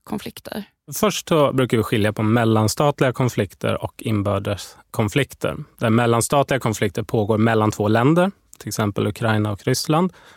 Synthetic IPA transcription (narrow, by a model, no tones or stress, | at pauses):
kʰɔnflɪkt̪ʰə̰ɾ | fœʂʈsɔbɾʉ̟ːkaɾvɪɧɪljapʰɔmɛlːanst̪ɑːt̪lɪɡakʰɔnflɪkt̪ʰə̰ɾɔ̰kʰɪnbœːɖəʂ | kʰɔnflɪkt̪ʰə̰ɾd̪̥æɾmɛlːanst̪ɑːt̪lɪɡakʰɔnflɪk̚t̪əɾpʰoːɡoːɾmɛlːant̪ʰvoːlɛnd̪əɾ | t̪ʰɪlɛksɛmpəlɵkʰɾajnaɔkɾʏsland̪